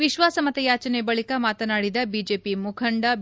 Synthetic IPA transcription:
ʋiʃʋaːsɐmɐt̪ɐjaːt͡ʃɐnebɐɭikɐmaːt̪ɐnaːɽid̪ɐbiːd͡ʒeːpimukʰɐɳɖɐ

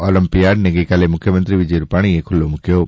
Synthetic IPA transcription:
ɔləmpijaɖneɡəjkalemʊkʰjəmə̃nt̪ɾiʋɪd͡ʒəjɾupaɽ̃iekʰʊlːomʊkjoː

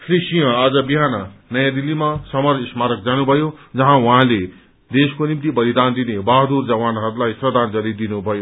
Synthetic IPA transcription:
sʰrisijʌ̃ad͡zʌbiɦanʌnʌjãd̪ilːimasʌmʌrismaɾʌk̚d͡zanubʱʌjod͡zʌɦãwɦãle | d̪eskonimt̪ibʌlid̪and̪inebaɦd̪urd͡zʌwanɦʌɾulajsrʌd̪ʱand͡zʌɾid̪inubʱʌjo

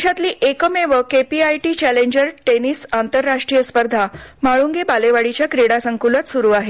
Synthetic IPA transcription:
ɕat̪liːʔekəmeʋəkepiajʈiːt͡ɕæleɲd͡ʑəɾʈenisant̪əɾːaʂʈɾijəspəɾd̪ʱamaɭuŋɡebaleʋaɽit͡ɕjakɾeɽasəŋkulət̪suɾuːaɦe

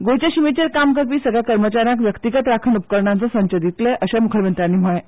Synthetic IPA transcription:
ɡojt͡ɕeɕimet͡ɕeɾkamkəɾpiːsəɡɭjakəɾmət͡ɕaɾjãk̬ʋjəkt̪iɡət̪ɾakʰənupkəɾɳant͡sasə̃nt͡ɕəd̪it̪leʔəɕamukʰjəɾʋjənt̪ɾanːiːm̤oɭẽ

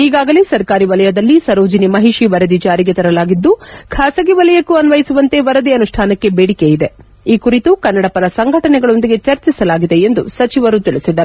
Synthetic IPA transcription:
iːɡaːɡɐlesɐɾkaːɾiʋɐlɐjɐd̪ɐlːisɐɾoːd͡ʒɐnimɐɦiʂiʋɐɾɐd̪id͡ʒaːɾiɡe̞t̪ɐɾɐlaːɡid̪ːukʰaːsɐɡiʋɐlɐjɐkːuɐnʋɐjisuʋɐnt̪e̞ʋɐɾɐd̪iɐnuʂʈʰaːnɐkːe̞beːɽikejid̪e̞ | iːkuɾit̪ukɐnːɐɽɐpɐɾɐsɐŋɡʱɐʈɐnɛɡɐɭo̞nd̪iɡe̞t͡ʃɐɾt͡ʃisɐlaːɡid̪e̞end̪usɐt͡ʃiʋɐɾut̪iɭisid̪ɐɾu

